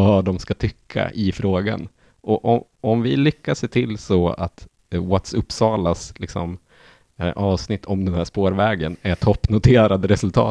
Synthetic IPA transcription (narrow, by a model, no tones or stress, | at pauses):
aɖ̪ɔmskat̪ʰʏkʰːa̰ʔɪfɾoːɡa̰n | ɔʔɔ | ɔmvɪlʏkːaseːt̪ʰɪlːsɔa̰t̪ | wat̪sɵpːsɑːlaslɪksɔ̰m | ʔɑːvsnɪt̪ʰːɔmd̪ɛnhæːʂpoːɾvɛːɡənɛʈʰɔpːnʊt̪ʰeːɾad̪əɾɛsɵlt̪ʰɑ̰ː